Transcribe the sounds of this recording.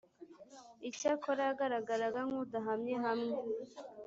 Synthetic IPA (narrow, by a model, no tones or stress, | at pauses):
icakʰoɾaɡaɾaɡaɾaɡaŋudaɦamɲeɦamŋe